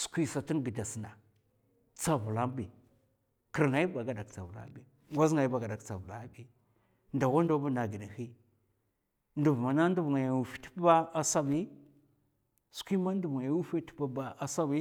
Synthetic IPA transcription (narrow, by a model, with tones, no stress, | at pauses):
su̥˨kʷi˦sa˨ti˦nɡi˨da˨si˨na˨ | t͡sa˦vu˨la˦m˦bi˨ | ki˨ɾŋa˨˦i˦ba˨ɡa˨da˨kt͡sa˨vu˨la̰˦bi˨ | ɡʷa˦zŋa˨ji˦ba˨ɡa˨da˨kt͡sa˨vu˨la̰˦bi˦ | nda˨wa˦ndo˦bu˦na˨ɡi˨da˨hi˦ | ndu˨vma˨na˦n˦du˦bŋa˨ja˨wu˨fi̥˦ti̥˦ba˦a˨sa˦bi˦ | skʷi˦ma˦ndu˨bŋa˨ja˨˦wu˦fe˦ti̥˦ba˦ba˨a˨sa˦bi˦